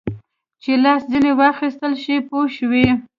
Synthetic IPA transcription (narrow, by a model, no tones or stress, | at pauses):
t͡ʃelɑszinewɑxist̪əlʃipoʃwi